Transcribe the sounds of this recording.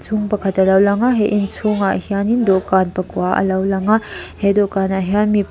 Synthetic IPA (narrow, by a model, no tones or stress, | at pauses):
sʰuŋpɐkʰɐtːɐlawlaŋaɦeʔinsʰuŋahijanindokanpɐkuwaʔɐ̰lawlaŋahedɔkanaɦijanmip